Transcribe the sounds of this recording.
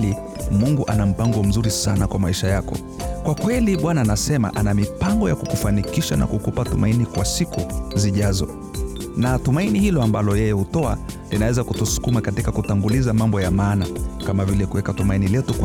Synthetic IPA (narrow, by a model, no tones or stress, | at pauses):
li | muŋɡuʔanam̩paŋɡɔm̩zuɾisanakwamaiʃajakɔ̰ | kwakwɛliɓwanaːnasɛma̰ʔanamipaŋɡɔjakukufanikiʃana̰kukupatumainikwasikuziʄazɔ̰ | natumainihilɔambalɔjɛjɛhutɔa̰ | linawɛzakutusu̥kumakatikakutaŋɡulizamambɔjamaːnakamavilɛkuwɛkatumainilɛtuk